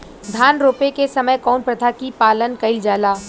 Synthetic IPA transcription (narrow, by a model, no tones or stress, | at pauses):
d̪ʱaːnɾoːpekesɐməjkɔːnpɾɐt̪ʰakipaːlənkɐɪld͡ʒaːlaː